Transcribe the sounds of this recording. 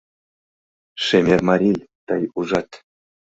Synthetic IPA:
ʂemʲermɑɾʲijt̪ɤjuʐɑt̪ʲ

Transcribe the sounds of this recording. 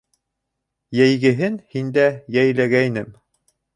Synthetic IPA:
jæjɡɘ̆ɦɘnhind̪æjæjlæɡæjnɘm

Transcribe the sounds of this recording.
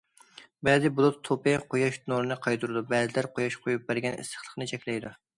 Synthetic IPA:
bɛzɪbulˠʊt̪ʰːopɨqʰojɑʃnoɾnɨqʰɑjt̪uɾɨd̪ubɛzɪlæɾqʰojɑʃqʰojup̚bæɾɡʲɛnɪ̰sə̥χlˠə̥χnɨt͡ʃʰɛkʲlɛjd̪u

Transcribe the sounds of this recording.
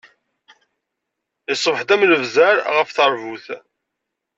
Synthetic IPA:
isˤːəvħd̪æmləvzæɾʁəfθəɾˤvuθ

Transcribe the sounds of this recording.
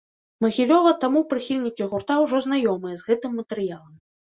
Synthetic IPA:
mɐɣʲilʲɔvɐt̪amupɾɨxʲilʲnʲikʲiɣurt̪awʐɔznajɔmɨjɐzɣɛt̪ɨmːɐt̪ɛɾɨjalˠɐm

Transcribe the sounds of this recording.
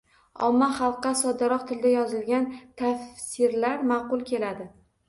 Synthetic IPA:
ɒ̰mːaχɑlˠqːɑsɒd̪ɪɾɒqt̪ʰɪld̪ajɒzɪlɡʲant̪ʰafsɪɾlaɾmɑqʊlˠkʲʰe̞lad̪ɪ

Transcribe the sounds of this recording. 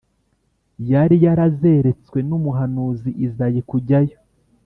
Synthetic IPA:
jaɾijaɾaze̞ɾe̞t͡swe̞numuɦanuːziʔizajikuɟajo

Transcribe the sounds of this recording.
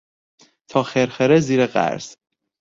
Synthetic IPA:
t̪ʰɒːxeɾxeɾɛziːɾeɢæ̰ɾz̥

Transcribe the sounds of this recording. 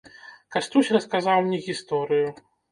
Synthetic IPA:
kast̪ɾusʲrɐskazawmnʲɛɣʲist̪ɔɾɨju

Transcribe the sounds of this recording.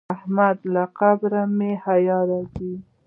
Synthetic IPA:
ahmad̪laqabɾamehajɑɾɑzi

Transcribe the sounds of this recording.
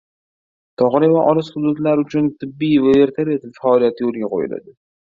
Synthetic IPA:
t̪ʰɒʁnivaʔɒlɨshʊd̪ud̪laɾʊt͡ʃʰʊnt̪ʰɪbːijvae̞ɾt̪ʰaɾet̪ɪfaɒlijat̪ʰɪjolˠɡʲaqʰo̰jɪ̰la̰d̪ɪ

